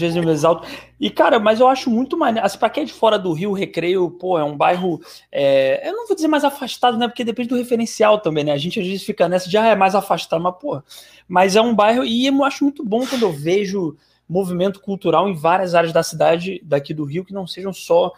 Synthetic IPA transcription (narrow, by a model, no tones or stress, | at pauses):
vezɪz̃mezzawt̪ʊɪkaɾɐmɐzewaʃʊmũj̃t̪ʊmaneɐsĩpɾɐkẽɛd͡ʒɪfɔɾɐd̪ʊɦiwɦekɾejʊpohɐɛũbajɦʊ | ɛḛwnɐ̃w̃vod͡ʒɪzeɾmajzafaʃt̪ad̪ʊnɛpoked̪epẽd͡ʒɪd̪ʊɦefeɾẽsiawt̪ɐ̃mbẽj̃nɛaʒẽnt͡ʃɪazvezɪsfikɐnɛsɐʒaɛmajzafaʃt̪ad̪ʊmɐpohɐ | mɐzɛũbajɦʊɪewmaʃʊmũj̃t̪ʊbõkwɐ̃nd̪ʊewveʒʊ | movimẽnt̪ʊ̥kuwt̪uɾawẽj̃vaɾiɐzaɾɐzd̪ɐsid̪ad͡ʒɪd̪akid̪ʊɦiwkɪnɐ̃w̃seʒɐ̃w̃sɔ